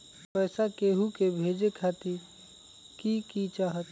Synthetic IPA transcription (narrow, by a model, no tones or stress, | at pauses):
pəːsakeɦukebʱed͡ʒekʰat̪i | kikit͡ʃaːɦət̪